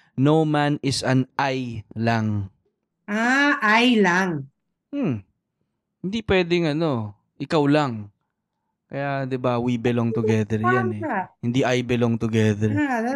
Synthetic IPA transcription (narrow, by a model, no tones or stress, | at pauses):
nowmanɪsɐnʔajlaŋ | ʔaʔajlaŋ | m̩ | hɪnd̪ipwɛːd̪ɪŋɐno̞ | ʔɪkawlaŋ | kɐjad̪ɪbawibɛloŋt̪ʊɡɛðɛɾjanɛhɪnd̪iʔajbɛloŋt̪ʊɡɛðɛɹ